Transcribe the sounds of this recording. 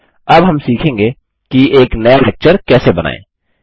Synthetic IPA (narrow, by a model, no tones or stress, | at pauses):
ɐbɦɐmsiːkʰẽːŋɡe | kieːknɐjalɛːk̚t͡ʃəɾkɛːsebɐna̰ːḛ̃ː